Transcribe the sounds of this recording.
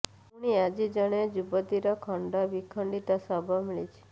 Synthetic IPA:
ũɽ̃iad͡ʒid͡ʒəɽ̃ed͡ʒubəd̪iɾɔkʰəɳɖɔʋikʰəɳɖit̪ɔsabʱɔmiɭit͡ʃʰe̥

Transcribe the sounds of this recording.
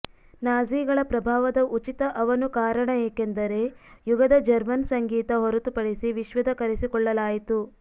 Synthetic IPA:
naːziːɡɐɭɐpɾɐbʱaːʋɐd̪ɐʔut͡ʃit̪ɐʔɐʋɐnukaːɾɐɳɐeːkend̪ɐɾe̞juɡɐd̪ɐd͡ʒɐɾmɐnsɐŋɡiːt̪ɐɦɔɾut̪upɐɽisiʋiʃʋɐd̪ɐkɐɾesikɔɭːɐlaːjit̪u

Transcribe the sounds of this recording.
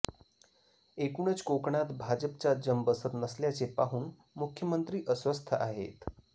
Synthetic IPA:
ekuɳət͡skokɳat̪bʱad͡ʑəp̚t͡ɕad͡ʑəmbəsət̪nəsljat͡sepaɦuːn | mukʰjəmənt̪ɾiːʔəsʋəst̪ʰəʔaɦḛt̪

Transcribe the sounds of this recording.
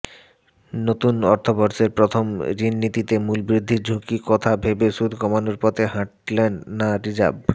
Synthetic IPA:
not̪unɔɾt̪ʰobɔɾʃeɾpɾot̪ʰomɾinːit̪it̪emulbɾid̪ʱːiɾd͡ʑʱukikɔt̪ʰabʱebeʃud̪ʱkɔmanoɾpɔt̪ʰeɦãʈlenːaɾid͡ʑa̰b

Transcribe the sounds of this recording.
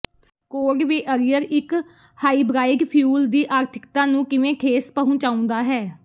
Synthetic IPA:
koːɾʋiːʔəɾɪjəɾɪk | haːiːbɾaːɪɡpʰjuːld̪iːʔaːɾt̪ʰɪ̥kt̪ãːnũːkɪʋẽːkʰeːspəɦũːt͡ʃaːʊ̃nd̪aːɦɛː

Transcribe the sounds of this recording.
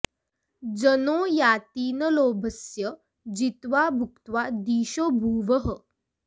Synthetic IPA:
d͡zənoːjaːt̪iːnəloːbʱəsjə | d͡ʑit̪ʋabʱukt̪ʋad̪iːɕoːbʱuːʋəɦə

